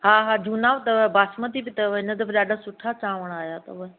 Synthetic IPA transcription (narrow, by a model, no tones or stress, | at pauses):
ɦaːɦaːd͡ʒuːnaːʋt̪ɐbaːsmət̪ibɪt̪ɐɦɪnət̪ɐbɗaːɗʱasʊʈʰat͡ɕaːʋəɽ̃aːɦjat̪ɐ̰ʋɐ